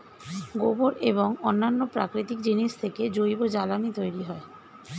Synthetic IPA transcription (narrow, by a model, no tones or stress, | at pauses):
ɡoboɾeβoŋonːanːopɾa̰kɾit̪ik̚d͡ʑiniʃt̪ʰeked͡ʑojbod͡ʑalamit̪ojɾiɦɔe